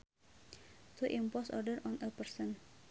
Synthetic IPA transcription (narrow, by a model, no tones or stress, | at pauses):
t̪ʰuʔimpɔsɔrdəɾɔnʔəpərsən